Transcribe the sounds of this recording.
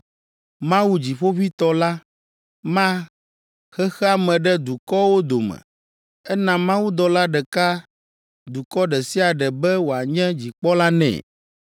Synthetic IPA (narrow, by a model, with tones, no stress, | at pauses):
mã˦wu˨d͡ʑi˨ɸo˦ɸi˦t̪ɔ˦la˦ | mã˦ | xɛ˦xɛ˦a˦mɛ̃˨ɖɛ˦d̪u˨kɔ˦wo˦d̪o˨mɛ̰̃˨ | ɛ˦nã˨mã˦wu˦d̪ɔ˨la˦ɖɛ˨ka˦ | d̪u˨kɔ˦ɖɛ˨si˦a˨ɖɛ˨bɛ˦wo˨a˨ɲɛ̃˦d͡ʑi˨k͡pɔ˦la˦nɛ̰̃˨